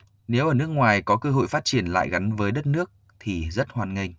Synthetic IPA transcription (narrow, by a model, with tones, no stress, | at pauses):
ne˨˦wʔəː˧˩nɨ˦˥ək̚ŋwaː˨˩jkɔ˨˦kəː˧ɦo̰˧˨jfaː˦˥t̚t͡ɕi˧˩ənla̰ː˧˨jɣa˨˦ŋvəː˨˦jɗə˦˥t̚nɨ˦˥ək̚ | t̪ʰi˨˩zə˦˥t̚hwaː˨˩nŋï˧˩ŋ̟